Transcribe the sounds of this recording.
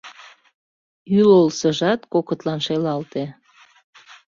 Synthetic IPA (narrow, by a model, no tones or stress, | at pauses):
ylolsəʒɑt̪kokət̪lɑnʃelɑlt̪e